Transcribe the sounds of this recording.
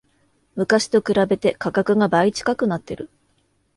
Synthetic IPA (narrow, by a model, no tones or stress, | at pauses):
mɯ̟kaɕi̥t̪o̞kɯ̟ɾabe̞t̪e̞kakakɯ̟ŋabait͡ɕi̥kakɯ̟nat̪ːe̞ɾɯ̟